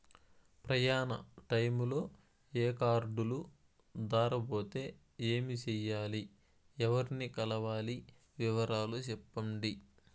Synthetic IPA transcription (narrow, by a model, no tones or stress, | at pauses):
pɾɐjaːnɐ̰ʈɐjmulo̞ː | eːkaːɾɖulu | d̪aːɾɐbo̞ːt̪e̞ː | eːmit͡ʃɛjaːli | ɛʋɐɾnikɐlɐʋaːli | ʋiʋɐɾaːlut͡ʃɛpːɐɳɖi